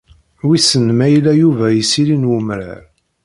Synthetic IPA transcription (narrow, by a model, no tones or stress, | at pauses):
wisənmæjlæjuvæjisilinwʊmɾa̰ɾ